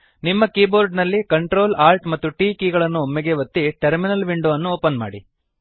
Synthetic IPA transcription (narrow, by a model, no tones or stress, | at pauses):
nimːɐkiːboːɾɖnɐlːikɐɳʈɾo̞ːlaːɾʈmɐt̪ːuʈiːkiːɡɐɭɐnːuomːeɡe̞ʋɐt̪ːiʈɐɾminɐlʋiɳɖuːɐnːuoːpɐnma̰ːɽḭ